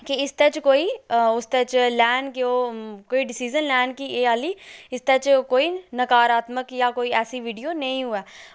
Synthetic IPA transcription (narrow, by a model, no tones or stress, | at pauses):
kiɪst̪et͡ʃkoːiʊst̪ɛt͡ʃlɛːnkeoːkoːiɖɪsiːd͡ʒənlɛːnkieːaːliːɪst̪ɛt͡ʃkoːinəkaːɾaːt̪məkjaːkoːiɛːsiʋiːɖijoːnɐĩɦʊɛː